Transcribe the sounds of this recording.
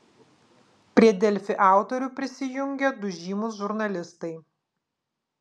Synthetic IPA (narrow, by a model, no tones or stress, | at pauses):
pʲɾʲiɛd̪ʲɛlʲfʲɪʔɑˑʊt̪ɔɾʲʊpʲɾʲɪsʲɪjʊŋʲɡʲɛd̪ʊʒʲiːmʊs̬ʒʊɾnɐlʲɪst̪ɐɪ